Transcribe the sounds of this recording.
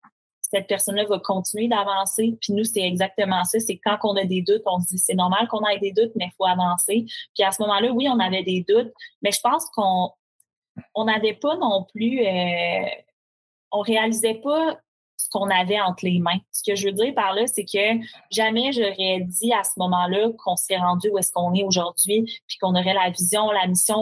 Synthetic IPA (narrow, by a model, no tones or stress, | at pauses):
sɛt̪̚pɛʁsɔnlʌvʌkʰɔ̃t͡sinyed̪avɑ̃sepinusɛɛɡzak̚t̪əmɑ̃sʌsekːɑ̃kɔ̃nəd̪ed̪ʊt̪ɔ̃d͡zisɛnɔʁmalkɔ̃najd̪eːd̪ʊt̪̚mɛfoavɑ̃sepiasəmɔmɑ̃lʌwiɔ̃navɛd̪ed̪ʊt̪̚mɛʒəpɑ̃ːskɔ̃ | ɔ̃navɛpʌnɔ̃plyø | ɔ̃ʁealizɛpʌ | sə̥kɔ̃navɛɑ̃t̪χlemɛ̃sə̥kəʒəvød͡z̪iːʁpaʁlʌsekʰʲəʒamɛʒɔʁɛdd͡z̪iasəmɔmɑ̃lʌkʰɔ̃səʁɛʁɑ̃d͡zyuɛskɔ̃nɛoʒuʁdd͡zɥipi̥kɔ̃nɔʁɛlavizjɔ̃lamisjɔ̃